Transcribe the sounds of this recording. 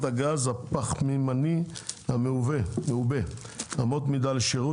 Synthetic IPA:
t̪aɡazapaχmimanihameuvemeube | amot̪mid̪aleʃeʁu

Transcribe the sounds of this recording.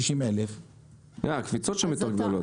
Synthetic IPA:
iʃimelef | jaakvit͡sot̪ʃemit̪aʁɡd̪olo

